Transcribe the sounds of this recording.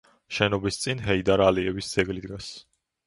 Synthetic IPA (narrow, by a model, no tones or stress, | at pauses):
ʃɛnɔbist̪sʼinɦɛid̪aɾaliɛvisd̪z̥ɛɡlid̪ɡas